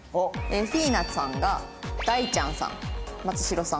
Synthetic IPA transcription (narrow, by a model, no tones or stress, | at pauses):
oeɸiːnḁsãŋɡad̪̥ait͡ɕãɰ̃sã̰ŋmat͡sɨ̥ɕiɾo̞sã